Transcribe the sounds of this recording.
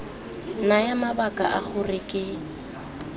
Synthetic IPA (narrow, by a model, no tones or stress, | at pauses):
najamabakʼaʔaχʊrɪkʼɪ